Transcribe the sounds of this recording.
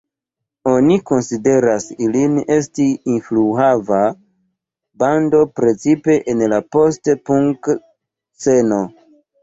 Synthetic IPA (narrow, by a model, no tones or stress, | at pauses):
o̞niko̞nside̞ɾasiline̞stiːnfluava | bando̞pɾe̞t͡sipe̞ʔenlapo̞stpuŋk | t͡se̞no̞